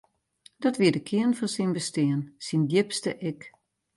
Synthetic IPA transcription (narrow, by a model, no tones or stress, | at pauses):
d̥ɔtʋiədəkʰɪənfɔnsinbəstɪənsindjɪpstəʔɪk